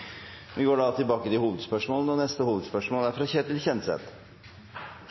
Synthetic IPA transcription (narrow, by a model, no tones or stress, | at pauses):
ʋɪɡoːɖɑɑlt̪ʰːɪlbɑːkəd̪ɪhuːʋəd̪spœʂmoːlnəɔnɛst̪əhuːʋəd̪spœʂmoːld̪æɾfɾɑçeːt̪ɪlçɛnsɛ̰t̪